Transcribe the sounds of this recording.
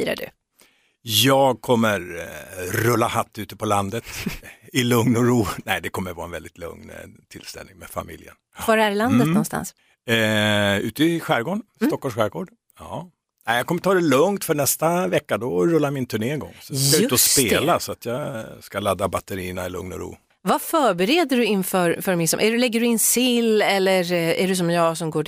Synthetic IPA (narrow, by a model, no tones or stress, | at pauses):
iɾa̰ɖʉ̰ | jɑːɡ̚kʰɔmːəɾ | ɾɵlːahat̪ːʉ̟ːt̪əpʰɔland̪ət̪ɪlɵŋnɔɾuːnɛɪd̪ɛkʰɔmːəɾvɑːɛnvɛld̪ɪt̪ʰlɵ̰ŋnt̪ʰɪlst̪ɛ̰lnɪŋmɛfa̰mɪ̰ljə̰nvaɾæɾland̪ət̪nɔnst̪a̰ns | ʉ̟ːt̪əɪɧæːɾɡoːɳsɔkːɔʂɧæːɾɡoːɖ | ɑ | nɛɪjɑkɔmːəʈ̪ʰɑːd̪ɛlɵŋt̪fœɳɛst̪avɛkːad̪ɔɾɵlːamɪnt̪ʰɵɳeːɛɡɔ̰ŋːsɔd̪saʉɵt̪ɔsppeːlasɔat̪ʰjɑːskalad̪ːabat̪əɾiːnaɛlɵ̰ŋnɔ̰ɾṵː | vafœːɾbɛɾeːd̪əɖɵɪnfœːɾfœɾmɪnsɔmʔæɖɵlɛɡːəɖɵɪnsɪlːɛlːəɾæ̰ɖɵs̬ɔmjɑːsɔmɡoː